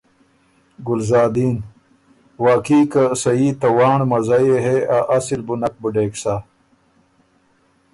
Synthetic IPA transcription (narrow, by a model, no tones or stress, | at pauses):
ɡulzaːd̪iːn | waːkiːkɐsɐiːt̪ɐwaːɳmɐzɐjeɦeaʔɐsilbunɐk̚buɖeːksa